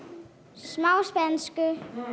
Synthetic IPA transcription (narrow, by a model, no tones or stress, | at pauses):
smaʊsb̥ænsɡ̥ə